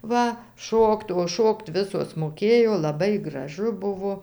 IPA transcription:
ˈʋɐ ˈʃoːkt oː ˈʃoːkt ˈʋʲɪsoːs moːˈkʲeːjoː lˠɐˈbɐɪ ɡrɐˈʒʊ ˈbʊʋoː

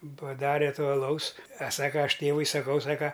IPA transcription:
pɐˈdɑːrʲɛ ˈtoː ɐˈlˠɐʊs ɐ ˈsɑːkɐ ˈɐʃ ˈtʲeːʋʊɪ sɐˈkɐʊ ˈsɑːkɐ

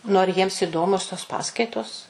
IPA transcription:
nʊ ɐr ˈjiɛms ɪˈdoːmʲoːs toːs ˈpɑːskɐɪtoːs

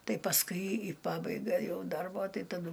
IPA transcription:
ˈtɐɪ pɐsˈkʊɪ ɪ ˈpɑːbɐɪɡɐ ˈjɛʊ ˈdɐrboː ˈtɐɪ tɐˈdʊ

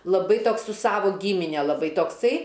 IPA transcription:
lˠɐˈbɐɪ ˈtoːks sʊ ˈsɑːʋoː ɡʲiːmʲɪnʲɛ lˠɐˈbɐɪ toːkˈsɐɪ

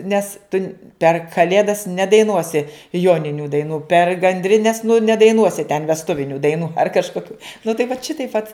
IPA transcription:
ˈnʲɛs tʊnʲ pʲɛr kɐˈlʲeːdɐs nʲɛdɐɪˈnuɔsʲɪ ˈjoːnʲɪnʲuː dɐɪˈnuː pʲɛr ɡɐnʲdʲrʲɪˈnʲɛs nʊ nʲɛdɐɪˈnuɔsʲɪ tʲɛn ʋʲɛsˈtʊʋʲɪnʲuː dɐɪˈnuː ɐr kɐʃkoːˈkʲuː nʊ tɐɪ ʋɐt ˈʃʲɪtɐɪp ʋɐt

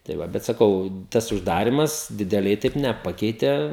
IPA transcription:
tɐɪ ˈʋɐ bʲɛt sɐˈkɐʊ ˈtɐs ʊʒˈdɑːrʲɪmɐs dʲɪdʲɛˈlʲɛɪ ˈtɐɪp nʲɛˈpɑːkʲɛɪtʲɛ

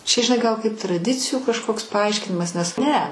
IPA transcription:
t͡ʃʲɛ ʒʲɪˈnɐɪ ˈɡɐlˠ kɐɪp trɐˈdʲɪt͡sʲɪjuː kɐʃˈkoːks pɐˈɐɪʃʲkʲɪnʲɪmɐs nʲɛs ˈnʲɛ

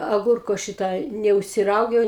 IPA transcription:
ɐˈɡʊrkoː ˈʃʲɪtɐ nʲɛʊʃʲsʲɪˈrɐʊɡʲɛʊ

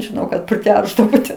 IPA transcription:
ʒʲɪˈnɐʊ kɐt pʲrʲɪˈtʲɛrʒdɐʋoː tʲɛn

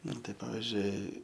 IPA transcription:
ˈnʊ tɐɪ ˈpɑːʋʲɪzʲd͡ʒʲʊɪ

